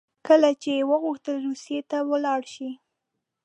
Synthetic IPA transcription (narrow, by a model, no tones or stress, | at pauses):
kəlat͡ʃewəɣuxt̪əlɾusijet̪awəlɑɽʃi